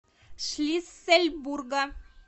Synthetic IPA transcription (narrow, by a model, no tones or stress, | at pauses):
ʃlʲisːelʲburɡa